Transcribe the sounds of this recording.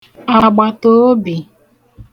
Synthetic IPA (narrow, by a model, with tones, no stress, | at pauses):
a˨ɡ͡ba˨to˦bi˨